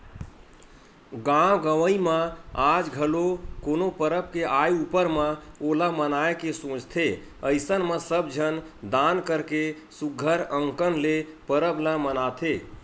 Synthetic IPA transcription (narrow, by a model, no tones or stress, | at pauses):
ɡãɡəʋəimẽad͡ʒɡʱəlokonopəɾəp̚keʔajupəɾmẽolamənaekesõt͡ʃt̪ʰe | əjsənmesəbd͡ʒʱənd̪ankəɾke | suɡʱəɾəŋkənlepəɾəblamənat̪ʰe